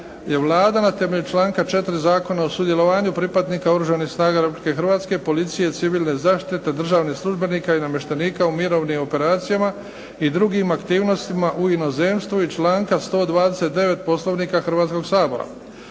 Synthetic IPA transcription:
je̞ʋlˠaːd̪anat̪e̞me̞ʎut͡ʃlaːŋkat͡ʃe̞t̪ɾizaːko̞naosud̪je̞lo̞ʋaːɲupɾipad̪niːkaoɾuʒanixsnaːɡaɾe̞publike̞xɾrʋaːt̪ske̞po̞lit̪sije̞t̪siʋiːlˠne̞zaːʃt̪it̪e̞d̪r̩ʒaːʋnixslˠuʒbe̞niːkainame̞ʃt̪eniːkaumiɾo̞ʋnimo̞pe̞ɾaːt̪sijama | id̪ɾuɡimakt̪iːʋno̞st̪imaʔuino̞zeːmst̪ʋuit͡ʃlaːŋkast̪o̞ːd̪ʋaːd̪ese̞t̪̚d̪e̞ʋe̞t̪̚po̞slˠo̞ʋniːkaxr̩ʋaːt̪sko̞ɡsaːbo̞ɾa̰

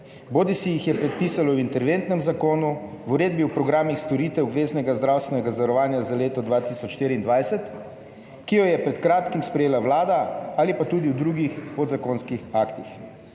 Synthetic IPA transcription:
boːd̪isijixjɛpɾɛt̪̚piːsalɔwint̪ɛɾʋent̪nɛmzakoːnu | uɾeːd̪̚biwpɾɔɡɾaːmixst̪ɔɾiːt̪ɛɔbʋeːznɛɡazd̪ɾaːwst̪ʋɛnɛɡazaʋaɾɔʋaːnjazaleːt̪ɔd̪ʋaːt̪isɔt͡ʃʃt̪eːɾiːnd̪ʋajsɛt̪ | kijɔjɛpɾɛt̪kɾaːt̪kimspɾɛjeːlawlaːd̪aalipat̪ud̪iwd̪ɾuɡixpod̪zakoːnskixaːkt̪ix

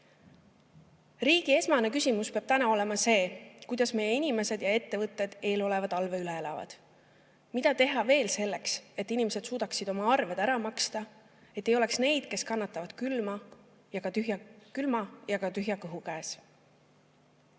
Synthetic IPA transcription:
riːɡ̥ie̞smɑne̞kysimuspeɑb̥t̪ænɑo̞le̞mɑse̞ːkujd̪̥ɑsme̞jːeinʲime̞se̞d̪̥jɑe̞t̪ːe̞vɤt̪ˑːe̞d̪̥e̞ːlo̞le̞vɑd̪ɑlve̞yleelɑ̰vɑ̰d̪̥ | mid̪̥ɑt̪e̞ɦɑve̞ːlse̞lːe̞kse̞t̪ːˑinime̞se̞d̪̥suːd̪̥ɑksid̪o̞mɑɑrved̪̥æɾɑmɑkst̪ɑ | et̪ːˑejo̞le̞ksne̞jd̪̥ke̞skɑnːɑt̪ːˑɑvɑd̪̥kylmɑ | jɑkɑt̪yɦjɑkylmɑjɑkɑt̪yɦjɑkɤɦukæːs

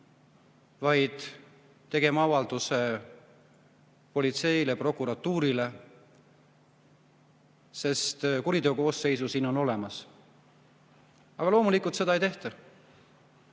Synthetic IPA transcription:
vɑjd̪̥ː | e̞ɡ̥e̞mɑɑvɑld̪̥use̞ | po̞lʲit̪se̞jle̞pro̞kːˑuɾɑt̪ːuːɾile̞ | se̞st̪kuɾit̪e̞oko̞ːsːe̞jsusiːno̞no̞le̞mɑs | ɑɡ̥ɑlo̞ːmulikːˑult̪se̞d̪ɑejt̪e̞ht̪ɑ

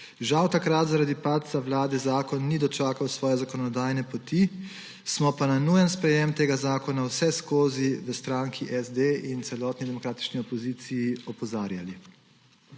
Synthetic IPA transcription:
ʒawt̪akɾat̪zaɾad̪ipat̪sawlaːd̪ɛzaːkɔnːid̪ɔt͡ʃaːkawsʋɔːjɛzakɔnɔd̪aːjnɛpɔt̪i | smɔpananujənspɾɛjemt̪eːɡazaːkɔnawsɛskoːziʋəst̪ɾaːŋkʰiʔɛzd̪eint̪sɛlɔːt̪nid̪ɛmɔkɾaːt̪i̥t͡ʃniɔpɔziːt̪sijiɔpɔzaːɾjali

